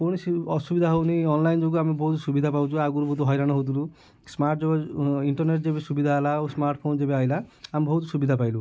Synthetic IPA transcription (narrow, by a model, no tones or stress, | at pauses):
koɽ̃iɔsubid̪ʱaɦowniɔnlajnd͡ʒoɡuamebɔɦut̪subid̪ʱapawt͡ʃʰuaɡuɾbɔɦut̪uɦɔjɾaɽ̃ɔɦowt̪̬ulu | smaɾʈd͡ʒɔbɔiɳʈɔɾneʈ̚d͡ʒebesubid̪ʱaːlaosmaɾʈpʰond͡ʒebeajlaambɔɦut̪subid̪ʱapajlu